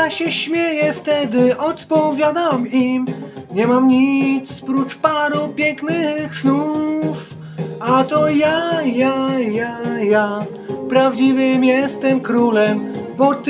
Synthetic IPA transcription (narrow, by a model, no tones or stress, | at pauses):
aɕɛɕmʲjɛjɛft̪ɛd̪ɘʔɔt̪pɔvʲjad̪amimɲɛmamɲit̪sspɾut͡ʂpaɾupʲjɛŋknɘxsnuf | at̪ɔjajajaja | pɾavd͡ʑivɨmjɛst̪ɛmkɾulɛmbɔt̪